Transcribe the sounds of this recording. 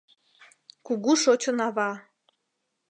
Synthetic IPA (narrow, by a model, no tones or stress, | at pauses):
kuɣuʃot͡ɕənɑβɑ